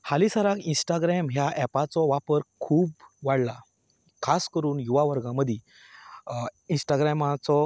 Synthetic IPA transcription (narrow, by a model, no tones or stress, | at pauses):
halisaɾakinsʈaɡɾɛmɦjaʔɛpat͡sɔʋapəɾkʰuːbʋaɽla | kʰaskəɾuːnjuʋaʋəɾɡãməd̪ʱji | ĩnsʈaɡɾɛmat͡sɔ